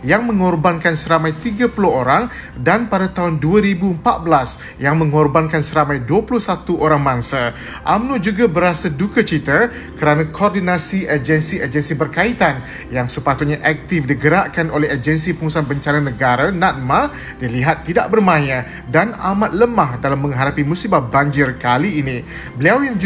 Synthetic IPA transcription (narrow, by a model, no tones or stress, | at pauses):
jaŋmə̃ŋɔrbankansəɾamãjt̪iɡapulʊɦoɾaŋ | danpadat̪aɦʊnduaɾibuəmpat̪̚bəlas | jaŋmə̃ŋɔrbankansəɾamãjduəpulʊhsat̪uʔoɾaŋmãŋsa | ʔamnũd͡ʒuɡabəɾasadukət͡ʃit̪ə | kəɾanãkʰoɔrdinãsiʔəd͡ʒənsiʔəd͡ʒənsibərkait̪an | jaŋsəpat̪ut̪̚ɲaʔɛk̚t̪ɪfdiɡəɾaʔkanolɛɦəd͡ʒənsipəŋusanbəɲt͡ʃananəɡaɾanãt̪̚ma | diliɦat̪ːidaʔbərmãjã | danamat̪̚ləmahdalamːə̃ŋɦaɾapimũsibahbaɲd͡ʒɪrkaliːnĩ | bəliawjaŋd͡ʒ